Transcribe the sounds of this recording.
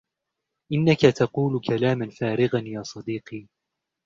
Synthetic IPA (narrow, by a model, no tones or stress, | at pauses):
ʔɪnːakat̪ɑquːlkʰalaːmanfaːɾɪɣanjaːsˤɑd̪iːqiː